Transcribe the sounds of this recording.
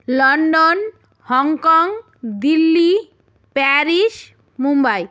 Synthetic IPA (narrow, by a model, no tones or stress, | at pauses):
lɔɳɖon | hɔŋkɔŋ | d̪ilːi | pɛɾiʃ | mumbaj